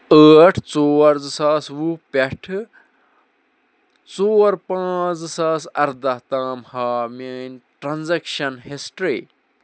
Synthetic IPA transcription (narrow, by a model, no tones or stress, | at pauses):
əːʈʰt͡soːɾzɨsaːsʋupeʈʰɨ | t͡soːɾpãːd͡zɨsaːsɐɾd̪ɐt̪aːmhaːmeːnʈɾanzekʃɐnɦesʈɾeː